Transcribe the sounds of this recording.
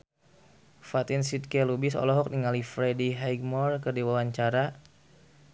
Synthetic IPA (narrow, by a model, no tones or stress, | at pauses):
fat̪insit̪̚kɛlubɪsɔ̰lɔɦɔk̚niŋalifɾediɦajɡmɔrkərdiwawaɲt͡ʃaɾa